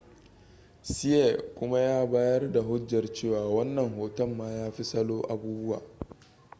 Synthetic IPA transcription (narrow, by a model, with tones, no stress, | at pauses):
si˦ɛ˦˨ʔkʷʊ˦ma˦jaː˦baː˦jɐ˦rda˨ɦʊ˦d͡ʒjɐ˨rt͡ʃeː˦˨waː˨wɐ˦nːɐ˨ŋɦoː˨tɐ˦mːaː˦jaː˦ɸi˦sɐ˦loː˦ʔa˨buː˦bʊ˦wa̰ː˨